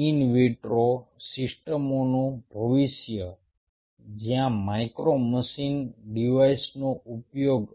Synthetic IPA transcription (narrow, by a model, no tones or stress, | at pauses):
inʋiʈɾosisʈəmonũbʱəʋiʃjə | d͡ʒjãmajkɾoməsinɖiʋaisnoupjoɡ